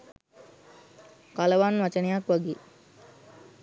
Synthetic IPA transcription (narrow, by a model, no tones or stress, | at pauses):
kaləʋanʋat͡ʃənejakʋaɡeː